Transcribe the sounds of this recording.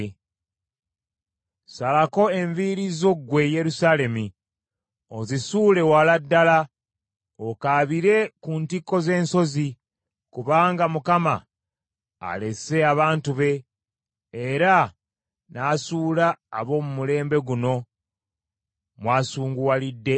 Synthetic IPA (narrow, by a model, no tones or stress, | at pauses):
salako̞e̞ɱviɾizo̞ɡwe̞je̞ɾusaːle̞mi | o̞zisuːle̞waladːala | okaːβiɾe̞kuntikːo̞ze̞ːnso̞zi | kuβaːŋɡamukama̰ː | le̞se̞aβaːntuβe̞ː | ɾa | naːsuːla̰ːβo̞ːmumule̞ːmbe̞ɡuno̞ | mwaːsuːŋɡuwalidːe̞